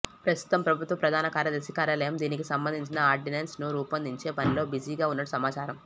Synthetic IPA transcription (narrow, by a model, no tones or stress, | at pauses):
pɾɐst̪u̥t̪ɐmpɾɐbʱut̪ʋɐpɾɐd̪ʱaːnɐkaːɾjɐd̪ɐɾsikaːɾjaːlɐjɐmd̪iːnikisɐmbɐnd̪ʱiɲt͡ʃinɐaːɾɖineːnsnuɾuːpɐnd̪ʱiɲt͡ʃe̞ːpɐnilo̞ːbid͡ʒiːɡaːunːɐʈusɐmaːt͡ʃaːɾɐm